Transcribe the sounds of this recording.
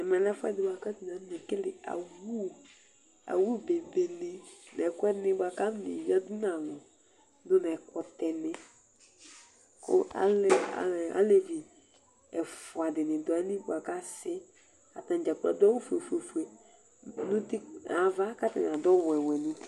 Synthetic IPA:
ɛ˨mɛ˨lɛ˦fʊ˦ɛ̰˦dɪ˨ba˨ka˦tu˨n˨a˨˦nẽ˨kɪ˦lɪ˨a̰˨wu˦ | a̰˨wu˦be˨be˨ne˨nɛ˨kʊ˦ɛ˦nɪ˦bwa˨ka˦ne˨vi˦a˦du˦nã˨ŋɔ˨ | dʊ˦nɛ˨kɔ˦tɛ˨nɪ˦ | kʊ̰˦a̰˨˦la̰˨a̰˦le˨vi˨ | ɛ˨fʊ˨a˨dɪ˨nɪ̃˨dɔ˨˦nɪ˦bwa˨ka˦sɪ˦ | a˨tã˨n˨d͡ʒa˨k͡pa̰˨da˦wu˦fu˨e˨fu˨e˨fu˨e˨ | nʊ̃˦ti˦a˨va˦ka˦ta̰˨n˨a˨dɔ˦wɛ˨wɛ˨nũ˦ti̥˦

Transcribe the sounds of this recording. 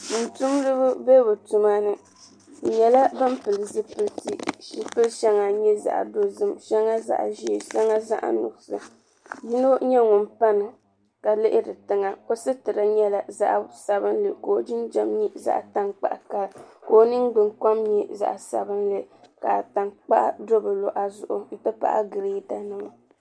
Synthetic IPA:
n˨tu˦mlɨ˦bʊ˦be˦bɨ˨tu˦ma˦nɨ˦˨ | ɲɛ˨la˦bɨ˦m˦pɨ˨lɨ˨zɨ˦pɨ˦lti˨ʃi˨pɨ˦lʃɛ˦ŋa˨ɲɛ˦za̰˨ʔdo˦zɨ˦mʃɛ˦ŋa˦za̰˨ʔʒi˦e˨ʃa˦ŋa˦za̰˦ʔnʊ̰˨ɡʊ˨sɨ̰˨ | ji˦no˦ɲɛ˦ŋʊ˨npa˦nɨ˨ | ka˨lɪ˦ʔɪ˦dɨ˨tɨ˦ŋa˨o˦sɨ˦tɨ˨ɾa˦ɲɛ˦la˨za̰˦ʔsa˨βɨ˦nlɨ˨ko˨˦˨d͡ʒɪ˦nd͡ʒɛ˦˨mɲi˦za̰˦ʔta˦ŋk͡pa̰˦ʔka˦lko˦nɨ˦ŋɡ͡bɨ˨ŋka˦mɲɛ˦za̰˨ʔsa̰˨bɨ˦nlɨ˦ka̰˨ta˨nk͡pa˦ʔa̰˦do˦bɨ˨lo˨ʔa˨zʊ̰˨ʔʊ˨n̩˦tɨ˦pa̰˦ʔa̰˦ɡɨ˨ɾe˦ta˨nɨ˦ma˨

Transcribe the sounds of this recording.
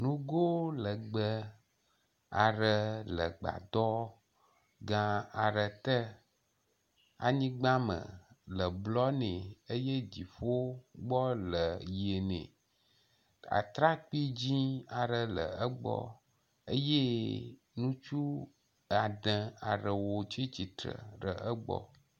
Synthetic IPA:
nũ˦ɡo˦lə˨ɡ͡bə˦ | a˨ɾə˨lə˨ɡ͡ba̰˨d̪ɔ˦ | ɡã˦a˨ɾə˨t̪ə˦ | a̰˨ɲĩ˦ɡ͡bã˦mə̰̃˨lə˨blɔ˦nɛ̃˨ə˦je˦d͡ʑi˨fo˦ɡ͡bɔ˦lə˨je˨nḛ̃˨ | a̰˨t̪ɾa˦k͡pi˦d͡ʑĩ˦a˨ɾə˨lə̰˨ə˦ɡ͡bɔ̰˦ | ə˦je˦ | nũ˦t͡ʃu˦ | a˨ɖə̃˨a˨ɾə˨wo˨t͡ʃi˦t͡ɕi˨t̪ɾə̰˨ɾə˨ʔə˦ɡ͡bɔ̰˦

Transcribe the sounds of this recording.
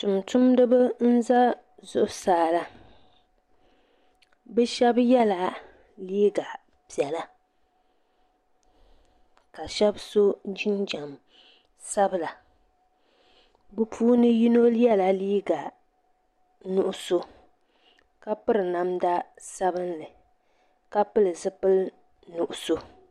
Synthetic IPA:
tʊ˨mtʊ˦mdɨ˦bɨ˦n̩˦za˦ | zʊ˦˨ʔʊ˨saː˨la˨ | bɛ˦ʃɛ˦bjɛ˦la˨ | liː˦ɡa˨ | pi˨ɛ˨la˦ | ka˨ʃɛ˦bso˦d͡ʒi˦nd͡ʒa˨m | sa˦bɨ˦la˨ | bɨ˦pʰuː˦nɨ˦ji˦no˦ljɛ˦la˨liː˦ɡa˨ | nu˨ʔʊ˦so˦ | ka˦pɨ˦ɾɨ˨na˨mda˦ | sa˦bɨ˦nlɨ˨ | ka˦pɨ˦lɨ˨zɨ˦pɨ˦l | nu˨ʔʊ˨so˦

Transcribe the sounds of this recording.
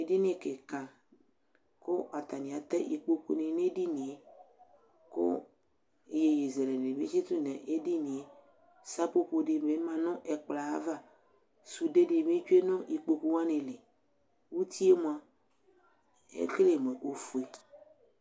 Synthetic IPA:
e˨di˦nẽ˦ke˨kã˨ | ko˦ʔa˨t̪a˨nĩ˨a˨t̪ɛ˦ʔḭ˨k͡po˦kṵ˦nẽ˨nẽ˦di˦nĩ˨e˨ | ko̰˦˨ | je˨je˨ze˨le˨le˨mĩ˦t͡ʃi˦t̪u˦nɛ̃˨ʔe˦di˦nĩ˨e˨˦ | sa˦po˦ɸo˨ɖe˨me˨˦mã˨nɔ̃˦ʔe˨k͡pla˨a˦va˦ | su˨de˦de˨mẽ˦t͡ʃu˦e˦nɔ̃˦ʔi˨k͡po˨ku˦wa˦nẽ˨le˨ | wu˦t̪i˦e˦mõ˨ã˨ | ḛ˦ke˦le˨mẽ˨ʔo˨fu˨e˨

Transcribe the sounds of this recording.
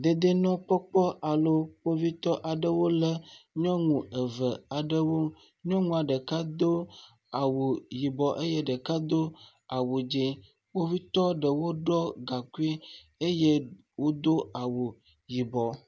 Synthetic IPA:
d̪e˨d̪e˦nɔ̃˦k͡pɔ˦k͡pɔ˦ʔa˨lo˦k͡po˦vi˦t̪ɔ˦ʔa˨ɖə˦wo˦lə˦ɲɔ̃˦ŋũ˨ə˨və˨a˨ɖə˦wo˦ | ɲɔ̃˦ŋũ˦a˨ɖə˨ka˦d̪o˦ | a˨wu˨ji˨bɔ˨ʔe˦je˦ɖə˨ka˦d̪o˦ | a˨wu˨d͡ʒi˦ | wo˦vi˦t̪ɔ˦ɖə˨wo˦ɖɔ˦ɡa˨ku˦i˦ | e˦je˦ | wo˦d̪o˦a˨wu˨ | ji˨bɔ˨

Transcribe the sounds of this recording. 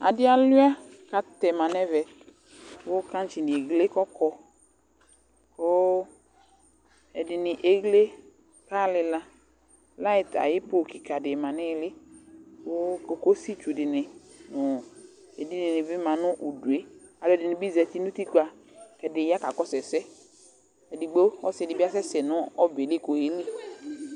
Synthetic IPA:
a̰˨dɪ˦a˨lʊ˦a˦ | ka˨t̪ɛ˨mã˨nɛ˦vɛ˨ | wo˦ka˦n˦t͡ʃi˨nɪ˨e˨ɡle˦kɔ˦kʰɔ˦ | ko˦ | ɛ˨dɪ˨nɪ˨ʔe˨ɡle˦ | ka˦˨lɪ˨la˦ | la˦ɪ˨t̪a̰˨jɪ˦po˦˨kɪ˨ka˨dɪ˨mã˨nɪ˦lɪ˦ko˦ko˨ko˦si˦t͡ʃu˨dɪ˨nɪ˨nʊ˨ | e˨di˦nɪ˨nɪ˨bɪ˦mã˨nʊ̃˦ʔu˨du˨e˦a˨ʊ˨ɛ˨dɪ˨nɪ̃˨bi˦zɛ˨t̪i˦nũ˦t̪i˦ku˦a˨ | kɛ˨dɪ˨ja˦ka˨kɔ˦sɛ˨sɛ˦ | ɛ˨dɪ˨ɡ͡bo˦ɔ˦sɪ˦ɛ˨dɪ˨bi˦a˦sɛ˦sɛ˨nʊ̃˦ɔ˦be˨li˦˨ko˨he˦li˦

